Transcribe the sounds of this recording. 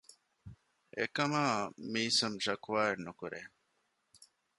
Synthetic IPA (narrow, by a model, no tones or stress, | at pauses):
ʔḛkɐmaːmiːsɐmʃɐkuʋaːenukuɾʔeː